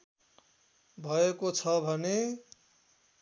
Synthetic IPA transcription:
bʱʌekot͡sʰʌbʱʌne

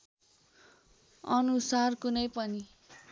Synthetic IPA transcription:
ʌnusarkunʌjpʌni

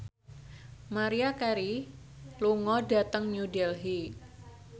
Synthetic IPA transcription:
maɾiakɛɾi | luŋɔda̤t̪əŋɲudɛlɦi

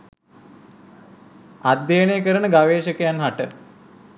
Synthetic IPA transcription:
ad̪ːejənejkəɾənəɡaʋeːʃəkəjanɦaʈə

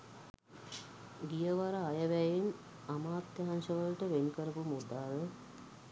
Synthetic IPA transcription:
ɡijəʋaɾaːjəʋæjen | amaːt̪jaɦansəʋəlʈəʋenikəɾəpumud̪aːlə

